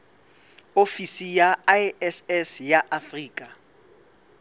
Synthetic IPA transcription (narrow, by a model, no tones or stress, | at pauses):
ofisijaaɛsɛsjaʔafriːkʼa